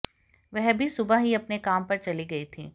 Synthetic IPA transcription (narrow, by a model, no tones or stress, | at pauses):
ʋɛɦbʱisʊbaɦiɐpnekaːmpɐɾt͡ʃɐliɡɐit̪ʰḭː